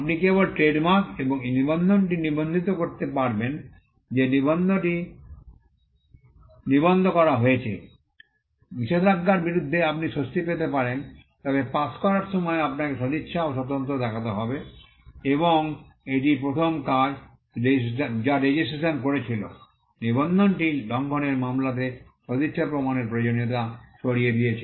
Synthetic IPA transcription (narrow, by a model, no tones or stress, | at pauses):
ap̚nikebolʈɾeɖmaɾkeboŋenibond̪ʱonʈinibond̪ʱit̪okoɾt̪epaɾben | d͡ʑenibond̪ʱoʈi | nibond̪ʱokɔɾaɦojet͡ɕʰḛ | biʃed̪ɾaɡːaɾbiɾud̪ʱːeapniʃost̪ipet̪epaɾent̪ɔbepaskɔɾaɾʃɔmɔeapnakeʃod̪itːʃʰaoʃɔt̪̬ont̪ɾod̪ɛkʰat̪eɦɔbe | eβoŋ | eʈipɾot̪ʰomkad͡ʑ | ɾesd͡ʑaɾed͡ʑisʈɾeʃonkoɾet͡ɕʰilo̰ | nibond̪ʱonʈilʱɔŋkʰoneɾmamlat̪̬eʃod̪itːʃʰapɾomaneɾpɾod͡ʑonot̪̬aʃoɽijed̪ijet͡ɕʰe